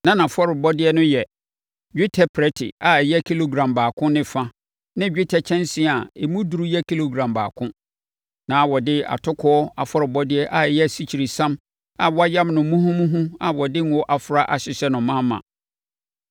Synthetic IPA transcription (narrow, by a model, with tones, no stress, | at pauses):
nã˦nã˨fɔ˦ɾɪ˨bɔ˦dɪ˦ɛ˦nʊ̃˦jɛ˨ | d͡ʑᶣɪ˦tʰɛ˦pʰɾɛ˦tʰɪ̰˨a˨jɛ˦kʰi˦lo˨ɡɾã˨mbaː˨kʰʊ̃˦nɪ̃˨fã˦ | nɪ̃˦d͡ʑᶣɪ˦tʰɛ˦t͡ɕʰɛ̃˦nsɪ̃˦˨a˨e˨mũ˦du˨ɾu˦jɛ˦kʰi˦lo˨ɡɾã˨mba̰ː˨kʰʊ̃˦ | nãː˨˦wɔ˨dɪ˦a̰˨tʰʊ˦kʰɔ˦ɔ˦a˨fɔ˦ɾɪ˨bɔ˦dɪ˦ɛ˦ʔa˨jɛ˦˨si˦˨t͡ɕʰi˨ɾi˨sã˦m | a˨wɔ˦a˦jã˦mnʊ̃˨mũ˦ɦũ˦mũ˦ɦũ˦a˨wɔ˨dɪ˦ŋ˦wɔ˦ʔa˨fɾa˦ʔa˨ɕɪ˨ɕɛ˦nʊ̃˨mã˦mːã̰˨